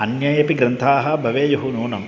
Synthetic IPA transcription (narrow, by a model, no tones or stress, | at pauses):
ɐnjajɐpiɡɾɐnt̪ʰaːɦɐ̆bʱɐʋeːjɐɦunuːnɐm